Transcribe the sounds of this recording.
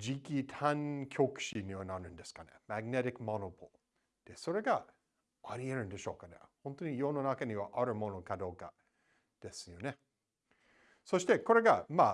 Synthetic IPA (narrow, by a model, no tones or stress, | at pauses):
d͡ʑikʲit̪ʰãŋkʲʰok̟ɕiɲʲiβanaɾɯ̟̃nd̪e̞sɨ̥kanḛmaɡneɾikmonopʰol | d̪̥e̞so̞ɾe̞ɡa | aɾʲie̞ɾɯ̟̃nd̪e̞ɕo̞ːkanḛhõnt̪oɲ̟ijo̞ːno̞nakaɲ̟iβaʔaɾɯ̟mo̞no̞kad̪o̞ːka | d̪̥e̞sɨjo̞ne̞ | so̞ɕi̥t̪e̞ko̞ɾe̞ɡama